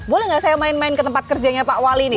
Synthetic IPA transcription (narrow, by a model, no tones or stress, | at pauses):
bolɛhŋɡaʔsajamaɪnmaɪnkət̪əmpat̪̚kərd͡ʒaɲapaʔwalinɪ